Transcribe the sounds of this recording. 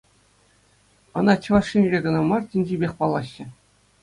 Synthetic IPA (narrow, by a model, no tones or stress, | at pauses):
ɤ̆nɑt͡ɕɤ̆ʋɑʂːinʲrʲeɡɤ̆nɑmɑrtʲinʲd͡ʑibʲexʲpɑlˠːɑɕːɘ̆